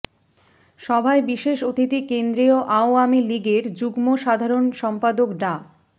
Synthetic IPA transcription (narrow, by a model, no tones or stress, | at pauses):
ʃɔbʱaebiʃeʃot̪ʰit̪ikend̪ɾioʔaoamiliɡeɾd͡ʑuɡmoʃad̪ʱaɾonʃɔmpad̪okɖa